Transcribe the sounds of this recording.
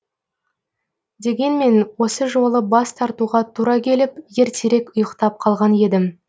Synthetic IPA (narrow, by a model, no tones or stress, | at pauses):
d̪e̞ɡʲe̞nme̞nwo̞səʒo̞lˠəbɑst̪ʰɑɾt̪uʁɑt̪ʰuɾɑkʲʰe̞lɪpje̞ɾt̪ʰeɾe̞kʊjəqt̪ɑp̚qʰɑlˠʁɑne̞d̪ɪm